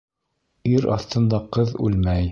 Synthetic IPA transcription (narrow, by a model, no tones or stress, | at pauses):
iɾɑ̰θt̪ɤ̆nd̪ɑqɤðʉ̰lmæj